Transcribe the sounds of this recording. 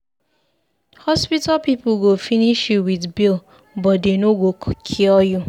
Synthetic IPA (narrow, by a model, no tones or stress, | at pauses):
hɔspitapipoɡofiniʃuwidbil | bɔdenoɡokʰkʰiɔjo